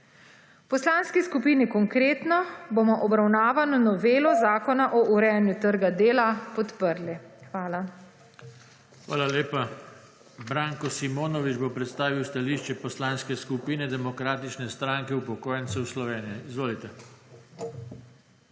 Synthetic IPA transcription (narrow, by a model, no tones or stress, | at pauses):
pɔslaːnskiskupiːnikɔŋkɾeːt̪nɔbomɔʔɔbɾawnaːʋanɔnɔʋeːlɔzaːkɔnaʔɔʔuɾɛjanjut̪əɾɡad̪eːlapɔt̪pəɾlixʋaːla | xʋa̰ːlaleːpa | bɾaŋkɔsimoːnɔʋid͡ʒbopɾɛt̪st̪aːʋiwst̪aliːʃt͡ʃɛpɔslanskɛskupiːnɛd̪ɛmɔkɾaːt̪it͡ʃnɛst̪ɾaŋkɛupɔkoːjɛnt̪sɛwslɔʋeːnijɛizʋoːlit̪ɛ